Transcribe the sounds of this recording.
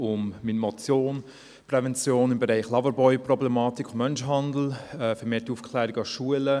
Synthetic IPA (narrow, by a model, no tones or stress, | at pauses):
ʊmminmɔt͡sjoːn | prɛvɛnt͡sjoːnɪmbeʁɛɪχlɑvəɾbɔʏprɔblɛmɑːtikʰʊmːœnʃɦɑndl̩ɛfɛɾmeːtiufkʰlæːɾiɡɑʃuələ